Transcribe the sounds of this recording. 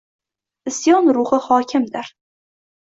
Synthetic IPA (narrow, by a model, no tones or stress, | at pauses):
ɪsjɒnɾʊhɨhɒkʲʰɪmd̪ɪɾ